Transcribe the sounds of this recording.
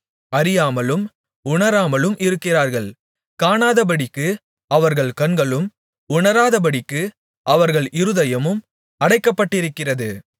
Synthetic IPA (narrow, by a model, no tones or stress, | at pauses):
ɐɾɪjaːmɐlɯm | ʊɳɐɾaːmɐlɯmʔɪɾɯkːɪraːɾɣɐɭ | kaːnaːðɐb̬ɐɽɪkːɯ | ɐʋɐɾɣɐɭkɐnɡɐɭɯm | ʊɳɐɾaːðɐbɐɽɪkːɯ | ʔɐʋɐɾɣɐɭɪɾɯðɐjɐmɯm | ɐɽɐɪkːɐpːɐʈːɪɾɯkːɪrɐðɯ